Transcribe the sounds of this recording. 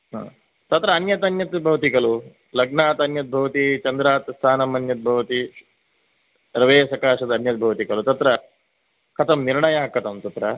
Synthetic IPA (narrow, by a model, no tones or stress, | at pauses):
ɦã̰ː | t̪ɐt̪ɾɐːnjɐt̪ɐnjɐt̪bʱɐʋt̪ikɐlu | lɐɡnaːt̪ɐnjɐt̪̚bʱɐʋt̪it͡ʃɐnd̪ɾaːt̪st̪ʰaːnɐmɐnjɐt̪̚bʱɐʋt̪i | ɾɐʋeːsɐkaːʂɐd̪ɐnjɐt̪̚bʱɐʋt̪ikɐlut̪ɐt̪ɾɐ | kʰɐt̪ɐmniɾɳɐjaːɦɐkʰːɐt̪ɐmt̪ɐt̪ɾɐ